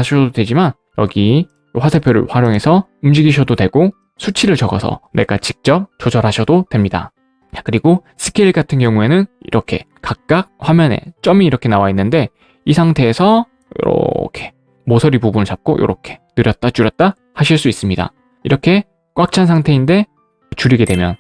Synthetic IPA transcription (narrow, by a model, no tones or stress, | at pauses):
aɕʰʌʌdodwe̞d͡ʑiman | jʌ̰ɡi | ɸwasʰepʰjoɾɯ̰ɸwaɾjoŋe̞sʰʌumd͡ʑiɡiɕʰʌdodwe̞ɡo | sʰut͡ɕʰiɾɯɭt͡ɕʌɡʌ̰sʰʌ̰ne̞̰ɡat͡ɕik̚t͡ɕ͈ʌp̚t͡ɕod͡ʑʌɾɦaɕʰʌdotwe̞mɲida̰ | kɯɾiɡo | sʰɯ̥kʰeiɭɡatʰɯnkjʌŋue̞nɯnḭɾʔʌkʰe̞̰kak̚k͈ak̚ɸwamjʌnḛt͡ɕ͈ʌmiːɾʌkʰe̞nawainːɯnde̞ | isʰaŋtʰe̞ːsʰʌ | jo̰ɾʌ̰kʰe̞̥ | mosʰʌɾipubunɯɭt͡ɕap̚k͈ojo̰ɾʌkʰe̞̥nɯɾjʌt̚t͈at͡ɕuɾjʌt̚t͈a | haɕʰiɭs͈uis͈ɯmɲida̰ | iɾʌkʰe̞ | k͈wak̚t͡ɕʰansʰaŋtʰe̞inde̞ | t͡ɕuɾiɡe̞dwe̞mjʌn